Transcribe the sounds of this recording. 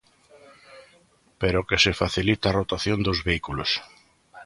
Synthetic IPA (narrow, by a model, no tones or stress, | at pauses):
peɾokesefaθilit̪arot̪aθjond̪ozβeikulos